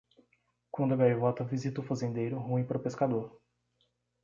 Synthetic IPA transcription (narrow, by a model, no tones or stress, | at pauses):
kwɐ̃nd̪ʊaɡajuvɔt̪ɐvizit̪ɐʊfazẽnd̪ejɾʊɦũĩpaɾʊpeskad̪oɾ